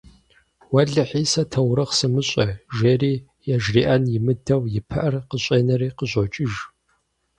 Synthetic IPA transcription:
wɐɮɨħiːsɐtʰɐwɾɐχsɨmɨɕʼɐʒeːriː | jɛʒriːʔɐnjɪmɨdʰɐwjɪpʰɐʔɐrqəɕʷʼeːnɐriːqəɕʷʼot͡ʃʼɪʒ

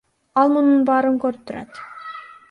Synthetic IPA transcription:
ɑlˠmʊnunbɑːɾɯŋkɵɾp̚t̪ʰːʊɾɑ̰t̪

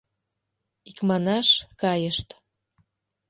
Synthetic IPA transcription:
ikmɑnɑʃkɑjəʃt̪

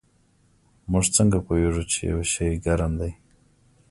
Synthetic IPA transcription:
mʊʐt͡səŋɡapojeʐut͡ʃḛja̰weʃajɡaɾamd̪aj

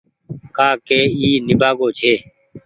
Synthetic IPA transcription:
kaːkeːiːnɪbaːɡoːt͡ʃʰeː

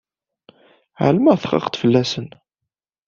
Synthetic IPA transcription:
ʕa̰lmæθχɑ̰qt̪fəlːæsən

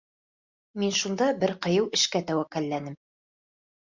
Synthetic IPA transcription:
minʃund̪ɑbɘɾqɤ̆jɤwɘ̆ʃkæt̪æwækælːænɘm

